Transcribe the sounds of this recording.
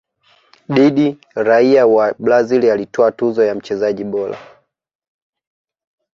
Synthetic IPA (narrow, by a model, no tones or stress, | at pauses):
ɗiɗi | ɾaiawablazilialitʰɔatuzɔjam̩t͡ʃɛzaʄiɓɔla̰